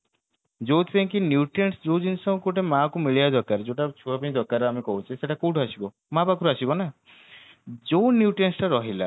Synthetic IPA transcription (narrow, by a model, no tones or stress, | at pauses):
d͡ʒowt̪ʰẽkinjuʈensd͡ʒowd͡ʒinsɔ̃ŋkuʈemakumiɭiad̪ɔɾkaɾed͡ʒoʈat͡ʃʰuapanĩd̪ɔɾkaɾeamikɔɦut͡ʃʰiseʈakuwʈʰasibɔ | mabakuɾasibɔna | d͡ʒonjuʈensʈaɾɔɦila̰